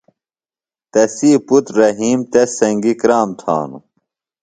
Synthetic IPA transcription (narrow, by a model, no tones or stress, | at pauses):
t̪ɐsiːput̪ɾɐɦiːmt̪esɐŋɡikɾaːmt̪ʰa̰ːnṵ